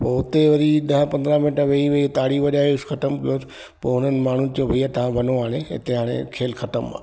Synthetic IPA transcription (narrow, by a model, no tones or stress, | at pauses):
poːʊt̪eʋɐɾiɗ̪ɐɦpɐ̃nd̪ɾamɪʈəɾʋeiʋeit̪aːɽiʋɐɗaːeʊsxɐt̪əmkijoːsɪ̥ | poːɦʊn̤ənɪ̆maːɳ̤unɪ̆d͡ʑobʱɐiat̪ɐʋ̤ãbʱɐnoaːɽ̃eɪ̰t̪eɦaːɽ̃ḛkʰeːlxɐt̪əma̰ː